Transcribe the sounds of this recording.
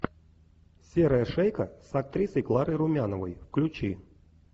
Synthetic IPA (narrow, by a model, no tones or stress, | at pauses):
sʲeɾəjəʂejkəsɐk̚t̪ɾʲisəjklˠaɾɨɾʊmʲanəvəjfklʲʊt͡ɕi